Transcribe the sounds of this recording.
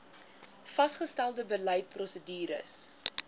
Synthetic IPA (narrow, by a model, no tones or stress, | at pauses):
fɐsχəstælˠdəbəlɛjt̚prɔsədiːɾə̰s